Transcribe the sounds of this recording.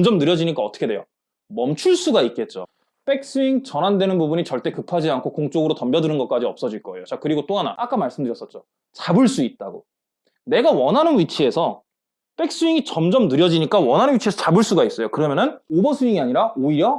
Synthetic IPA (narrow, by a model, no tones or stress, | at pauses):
ʌmd͡ʑʌmnɯɾjʌd͡ʑiɲik͈aʌt͈ʰɯ̥kʰedwe̞jo̰ | mʌmt͡ɕʰuɭs͈uɡait̚k͈e̞t̚t͡ɕ͈o̰ | p͈e̞k̚s͈uiŋt͡ɕʌnɦandwe̞nɯnbubuɲit͡ɕʌɭt͈e̞kɯpʰad͡ʑiankʰokoŋt͡ɕ͈oɡɯɾotʌmbjʌdɯnɯnɡʌk͈̚ad͡ʑiʌp̚s͈ʌd͡ʑiɭk͈ʌe̞jot͡ɕak̚ɯɾiɡot͈oɦana̰ʔak͈amaɭs͈ɯmdɯɾjʌs͈ʌt̚t͡ɕ͈o | t͡ɕabɯɭs͈uit̚t͈aɡo | ne̞ɡawʌnɦanɯnɥit͡ɕʰie̞sʰʌ | p͈e̞k̚s͈uiŋit͡ɕʌmd͡ʑʌmnɯɾjʌd͡ʑiɲik͈awʌnɦanɯnwit͡ɕʰiesʰʌt͡ɕabɯɭs͈uɡais͈ʌjokɯɾʌmjʌnɯnobʌsʰuiŋiaɲiɾaoiɾjʌ